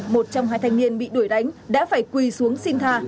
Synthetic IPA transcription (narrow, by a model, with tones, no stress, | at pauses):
mo˨˩t̚t͡ɕɔ˧wŋ͡mhɦaː˧jt̪ʰa˧jŋ̟ni˧ənɓḭ˧˨ɗu˧˩jɗa˨˦jŋ̟ɗa̰ː˧˥faː˧˩jkwi˧su˨˦əŋsi˧ŋ̟t̪ʰaː˧˩